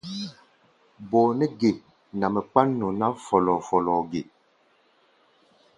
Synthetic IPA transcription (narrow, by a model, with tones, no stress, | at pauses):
boː˨nɛ˦ɡe˨ | na˨mɛ˨k͡pa˦nːo˨na˦fɔ˨lɔ˨fɔ˨lɔ˨ɡe˨